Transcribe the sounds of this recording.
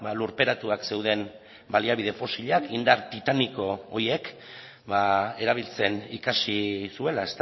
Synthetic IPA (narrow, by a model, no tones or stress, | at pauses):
baluɾpe̞ɾat̪uakse̞wð̞e̞m | baliaβið̞e̞fo̞siʎakʰind̪aɾt̪it̪aniko̞oje̞k | bae̞ɾaβ̞ilt͡se̞nikasisue̞lae̞st̪